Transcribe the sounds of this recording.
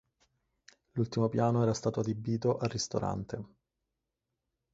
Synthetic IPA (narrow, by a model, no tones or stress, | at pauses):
lult̪imopjaːnoɛːɾast̪aːt̪oad̪ibːiːt̪oʔarːist̪o̰ɾa̰nt̪e